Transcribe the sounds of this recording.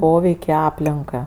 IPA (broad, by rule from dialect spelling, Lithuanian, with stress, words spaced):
ˈpoːʋʲɛɪkʲ ɪ ˈɑːpʲlʲɪŋkɐ